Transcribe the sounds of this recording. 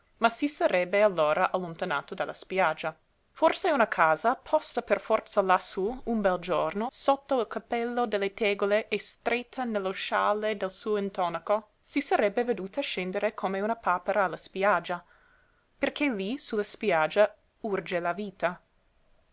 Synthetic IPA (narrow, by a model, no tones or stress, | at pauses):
masisaɾɛbːealːoːɾʔaʔalːont̪ana̰ːt̪od̪alːa̰spjad͡ʒːa | forseunakʰaːzapʰɔst̪aperfɔrt̪salasuumbɛld͡ʒornosot̪ːoilkapɛlːod̪elːet̪eːɡoleʔest̪ɾet̪ʰːanelːoʃaːled̪elsuːoint̪ɔnako | sisɐɾɛbːeved̪uːt̪aʃend̪eɾekʰomeunapaːpeɾaːlːaspjad͡ʒːa | perkʰelisulaspjad͡ʒːa | urd͡ʒelaviːt̪a